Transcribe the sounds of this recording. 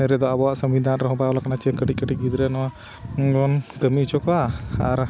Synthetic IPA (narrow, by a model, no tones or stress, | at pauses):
ɛɾɛd̪ɔabɔwaʔsəmbid̪ʱanɾɔɦɔ̃bajɔlakanat͡ʃɛkəʈikəʈiɡid̪ɾɛnɔa | ɔnkəmit͡ʃɔkɔaaɾ